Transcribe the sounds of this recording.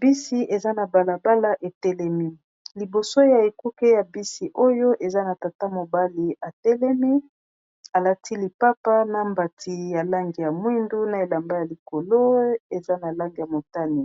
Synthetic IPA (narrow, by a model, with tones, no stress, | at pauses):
bi˦si˦ʔe˨za˦na˨ba˨la˨ba˦la˦ʔe˨tɛ˦lɛ˦mi˦ | li˨bo˨so˦ja˨e˨ku˦ke˦ja˨bi˦si˨ʔo˦jo˦ʔe˨za˦na˨ta˨ta˦mo˨ba˦li˨a˨tɛ˦lɛ˦mi˦ | a˨la˨ti˦li˨pa˦pa˦na˨mba˨tʰi˨ja˨la˦ŋɡi˨ja˨mwi˦ndu˦na˨e˨la˨mba˦ja˨li˨ko˨lo˦e˨za˦na˨la˦ŋɡi˨ja˨mo˨ta˦ni˨